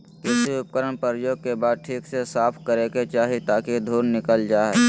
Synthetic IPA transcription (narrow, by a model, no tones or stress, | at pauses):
keːsiʊp̚kəɾəɳ̃pəɾjoːɡ̚kebaːd̪̚ʈʰiːksesaːpʰkəɾeket͡ʃaːɦit̪aːkid̪ʱuːnnɪkəld͡ʒaːɦɛː